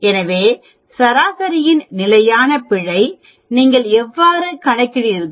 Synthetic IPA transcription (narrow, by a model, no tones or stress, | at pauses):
ɛnɐʋeː | sɐɾaːsɐɾɪjɪnnɪlɐjaːnɐpɪɻɐɪ | niːŋɡɐɭɛʋːaːɾɯkɐɳɐɪkːɪɽɪɪɾɯ